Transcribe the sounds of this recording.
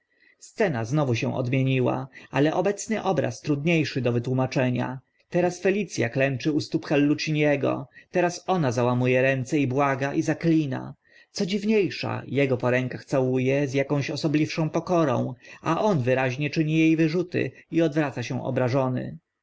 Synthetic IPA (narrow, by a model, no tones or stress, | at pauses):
st̪sɛnaznɔvuɕɛ̰̃w̃ʔɔ̰d̪mʲjeɲiwa̰alɛʔɔbɛt̪snɘʔɔbɾa̰st̪ɾud̪ɲejʂɘd̪ɔvɘt̪wumat͡ʂɛɲa̰ | t̪ɛɾasfɛlʲit̪sʲja̰klɛnt͡ʂɘust̪upxalːut͡ɕiɲjɛɡɔ̰t̪ɛɾasɔnazawamujɛɾɛnt̪sɛibwaɡaʔizaklʲina̰ | t̪sɔd͡ʑivɲejʂa̰jɛɡɔpɔɾɛŋkaxt̪sawujɛzjakɔ̃w̃ɕɔsɔblʲifʂɔ̃w̃pɔkɔɾɔ̰̃w̃aʔɔnvɘɾaʑɲɛt͡ʂɘɲijejvɘʐut̪ɘ̰iɔd̪vɾat̪saɕɛ̃ʔɔ̰bɾaʐɔnɘ̰